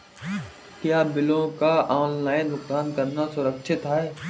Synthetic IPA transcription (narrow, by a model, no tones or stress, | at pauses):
kjaːbɪlõkaɔːnlaːɪnd̪ʊksaːnkɐɾnasʊɾəkʃʰɪt̪ɦaeː